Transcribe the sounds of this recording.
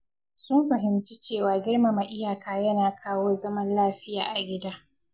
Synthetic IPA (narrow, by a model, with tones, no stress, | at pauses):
sʊ˦mɸɐ˨ɦɪ˨mt͡ʃi˦t͡ʃeː˦˨waː˨ɡʲɪ˦rma˨ma˨ʔɪ˦jaː˨kaː˨jɐ˦naː˨kʰaː˦woː˦zɐ˦mɐ˦nlaː˦ɸɪ˦ja̰ː˨ʔa˨ɡʲɪ˦daː˦